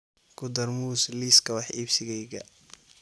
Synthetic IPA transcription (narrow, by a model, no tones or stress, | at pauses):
ɡʊd̪ɐrmuːsliːskʰɐwɑħiːbsɪɣɛjɣɐ̰